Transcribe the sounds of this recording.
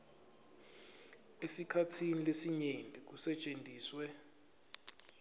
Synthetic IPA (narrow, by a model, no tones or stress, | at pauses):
esikʰatʰinilesiɲendʱʼik̬usɛt͡ʃʼendʱiːswɛ